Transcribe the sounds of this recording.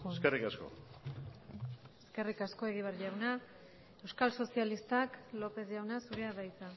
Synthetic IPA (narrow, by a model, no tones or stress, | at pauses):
eskerikasko̰ | e̞ske̞rikasko̞e̞ɣ̞iβ̞aɾʝawna | ewskalso̞sialist̪aklo̞pe̞sʝawnasuɾeaβajt͡sa